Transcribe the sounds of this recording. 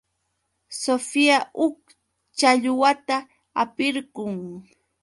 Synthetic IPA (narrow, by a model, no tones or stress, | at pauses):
sofiaʔʊk | t͡ʃaʎʊwat̪a | apɪɾɢʊŋ